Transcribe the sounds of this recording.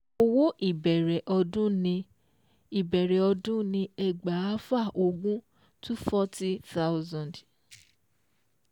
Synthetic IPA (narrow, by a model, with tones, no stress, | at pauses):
o˦wo˦ʔi˦˨bɛ˨ɾɛ˨ʔɔ˧dũ˦nĩ˧ | i˨bɛ˨ɾɛ˨ɔ˧dũ˦nĩ˧ɛ˨ɡ͡ba˨a˦fa˦˨ʔo˧ɡũ˦ | tu˦fɔ˦ti˦θa˦wzã˨d